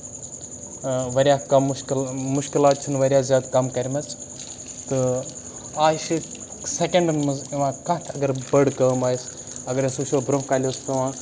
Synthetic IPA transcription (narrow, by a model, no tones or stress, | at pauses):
ʋɐɾʲjaːkɐmʃkilmuʃkilaːt̪̚t͡ʃʰinʋɐɾʲjaːzʲaːd̪kɐmkɐɾʲmɐt͡sʰ | t̪ɨ | aːʃi | sekeɳɖnmɐziʋãːkɐ̃t̪ʰɐɡɐɾbɐɽkɐmaːjs | ɐɡɐɾesuʃobɾomkalʲost̪ɐʋãː